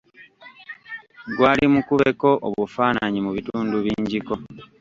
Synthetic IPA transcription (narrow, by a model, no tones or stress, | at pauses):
ɡwaːlimukuβe̞ko̞ʔoβufaːnaɲimuβituːnduβiːɲɟiko̞